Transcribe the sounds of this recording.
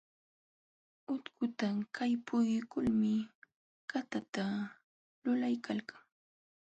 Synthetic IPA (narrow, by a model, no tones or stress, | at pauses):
ʊt̪kʊt̪akʰajpʊjkʊlmɪ | kat̪at̪a | lʊlajkalkaŋ